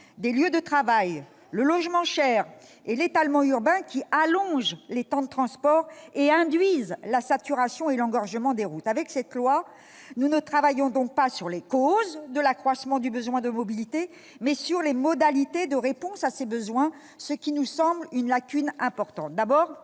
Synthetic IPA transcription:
d̪eljød̪ət̪χavaj | ləlɔʒmɑ̃ʃɛʁ | elet̪almɑ̃yʁbɛ̃kʲialɔ̃ʒlet̪ɑ̃d̪ət̪χɑ̃spɔʁeɛ̃d̪ɥizlasat̪yʁasjɔ̃elɑ̃ɡɔʁʒəmɑ̃d̪eʁut̪avɛksɛt̪lwa | nunət̪χavajɔ̃d̪ɔ̃k̚pasyʁlekozd̪əlakχwasmɑ̃d̪ybəzwɛ̃d̪əmɔbilit̪e | mɛsyʁlemɔd̪alit̪ed̪əʁepɔ̃sasebəzwɛ̃ | səkʲinusɑ̃blynlakʲynɛ̃pɔʁt̪ɑ̃t̪̚d̪abɔːʁ

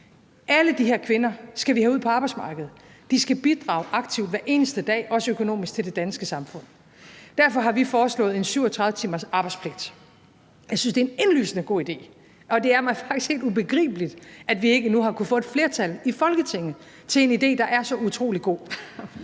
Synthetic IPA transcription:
ʔæləd̥iɦeɐkʰʋe̝nɐsɡ̥æʋihæuð̰ˠpʰɒ̽ɑb̥ɑɪsmɑ̈ːɡ̥əð̩ˠ | d̥isɡ̥æb̥id̥ʁɑ̰̈ʊʔɑ̈ɡ̥̚t͡sʰiʊd̥ʋæɐʔe̝ːnəsd̥əd̥ɛ̰ːʔɒ̽səøkʰono̝̰ːmisɡ̥̚t͡sʰe̝ld̥e̝d̥ænsɡ̥əsɑ̈mfɔ̽n̰ | d̥æɐfɒ̽ɦɑ̈ʋifɒːslɔ̰̽ːð̩ˠe̝nsyʊ̰ɒt͡sʰʁɑ̈ðˠət͡sʰiːmɐsɑ̈ːb̥ɑ̈ɪdspʰleɡ̥̚d̥ | jɑɪsynsd̥e̝æene̝nly̰ːsənəɡ̥o̝̰ːid̥e̝̰ː | ʔɒ̽d̥e̝æɐmɑ̈ɪfɑ̈ɡ̥d̥i̥skhe̝ːld̥ub̥e̝ɡ̥ʁḭːb̥əlid̥ʔædʋie̝ɡ̥ənuɦɑ̈kʰufɔ̽ːed̥fle̝ɐt͡sʰælifɒ̽lɡ̥ət͡sʰe̝ŋ̰̩ | t͡sʰe̝le̝nid̥e̝̰ːd̥ɑ̈ʔæɐsɒ̽ut͡sʰʁo̝̰ːliɡ̥o̝̰ː

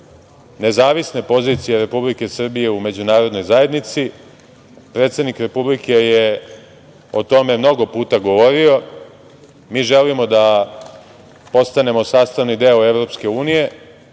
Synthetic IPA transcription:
ne̞zaːʋisne̞po̞zit̪sijeɾe̞publike̞sr̩bije̞ume̞d͡ʑunaːɾo̞d̪no̞jzaje̞d̪nit̪si | pɾet̪se̞d̪nikɾe̞publikeje | ot̪o̞me̞mno̞ɡo̞puːt̪aɡo̞ʋo̞ɾio̞ | miːʒelimo̞d̪a | po̞st̪ane̞mo̞saːst̪aʋnid̪eoeʋɾo̞pske̞uːnije̞

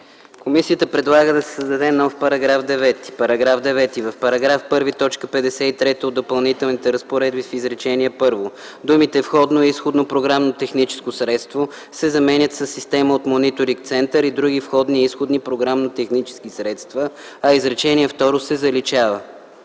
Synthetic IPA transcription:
komisiət̪əpɾɛd̪lˠaɡəd̪ɐsɛ̥səzd̪ɐd̪ɛnɔfpɐɾɐɡɾavd̪ɛvɛt̪i̥pɐɾɐɡɾavd̪ɛvɛt̪ivɐfpɐɾɐɡɾafpɤɾvit̪ɔt͡ʃkəpɛd̪ɛsɛit̪ɾɛt̪əod̪ːopɐlˠnit̪ɛlˠnit̪ɛɾəspoɾɛd̪bifizɾɛt͡ʃɛniɛpɤɾvo | d̪umit̪ɛfxɔd̪noɛisxod̪nopɾoɡɾamnot̪ɛxnit͡ʃɛ̥skosɾɛt̪st̪vo | sɛzɐmɛnʲət̪sɐsːist̪ɛməot̪monit̪oɾiŋk̚t̪sɛnt̪əɾid̪ɾuɡifxɔd̪niisxod̪nipɾoɡɾamnot̪ɛxnit͡ʃɛ̥skisɾɛt̪st̪və | ɐizɾɛt͡ʃɛniɛft̪ɔɾosɛzɐlit͡ʃavə

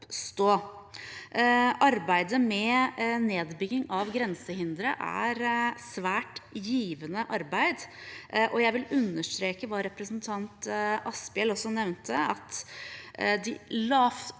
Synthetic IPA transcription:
st̪oː | ʔɑɾbæɪd̪əmɛneːd̪bʏɡɪŋɑʋɡɾɛnsəhɪnd̪ɾəʔæ̰ɾsʋæːʈjiːʋənəʔɑɾbæɪd̪ʔɔjæɪʋɪlʉnːəʂt̪ɾeːkəʋɑːɾɛpɾəsnt̪ʰɑnt̪ʔɑspɛlɔsːɔnɛʋnt̪ʰəɑt̪ | d̪ɪlɑːf

